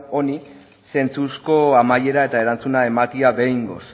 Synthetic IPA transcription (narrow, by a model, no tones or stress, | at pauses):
o̞ni | se̞nt͡susko̞amaje̞ɾae̞t̪ae̞ɾant͡sunae̞makiaβe̞jŋɡo̞s